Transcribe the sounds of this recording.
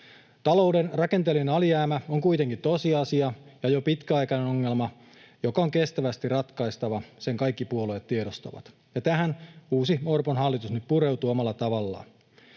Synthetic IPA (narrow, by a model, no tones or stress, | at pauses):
t̪ɑlowdenrɑke̞nt̪elinɑlijæːmæoŋkuit̪eŋkit̪o̞siɑsiɑjɑjopit̪kæɑjkɑneno̞ŋːe̞lmɑ | jo̞kɑoŋke̞st̪æʋæst̪irɑt̪kɑist̪ɑʋɑse̞ŋkɑjkːipuoloet̪t̪ːieɾost̪ɑ̰ʋɑ̰t̪ | jɑt̪æɦænuːsimo̞rponɦɑlːit̪usnyt̪̚puɾe̞wt̪uːomɑlːɑt̪ɑʋɑlːɑ̰ː